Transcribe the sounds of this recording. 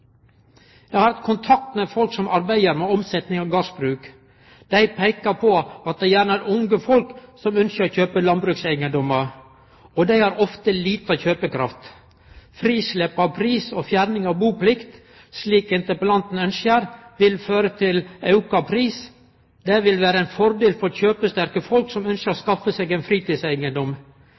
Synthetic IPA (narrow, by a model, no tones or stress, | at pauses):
jæɪhɑɾɑt̪kʰʊnt̪ʰɑk̚t̪mefɔlksɔmʔɑɾbæɪəɾmeɔmsɛt̪nɪŋɑɡɑsbɾʉːk | d̪̥æɪpʰæɪkəpʰɔɑt̪̚d̪ɛjæːɳəæɾʔʊŋɡəfɔlksɔmœnsəɾɔçøːpəlɑnbɾʉːksæɪɡənd̪ɔmə | ɔd̪æɪhɑɾɔft̪əliːt̪əɑçøːpəkʰɾɑft̪ | fɾiːslɛpːɑpʰɾiːsɔfjæːɾnɪŋɑʋbuːplɪkt̪ | sliːkɪnt̪əpəlɑnt̪n̩œnsəɾʋɪlføːɾət̪ʰɪlɑʉkɑpʰɾiːs | d̪ɛʋɪlʋæːɾəɛɪnfɔɾd̪eːlfɔɾçøːpəst̪æɾkəfɔlksɔmœnsʃəɾɔskɑfːəseɡæɪnfɾiːt̪iːsæɪɡənd̪ɔm